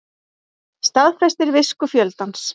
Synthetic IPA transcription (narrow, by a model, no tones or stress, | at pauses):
st̪aðfɾɛst̪ɪɾvɪskʏfjœlt̪ans